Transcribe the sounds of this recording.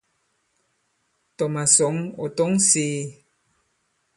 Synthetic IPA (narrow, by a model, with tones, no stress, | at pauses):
tɔ˨ma˨sɔ˨˦ŋo̰˨tɔ˦ŋsiː˨˦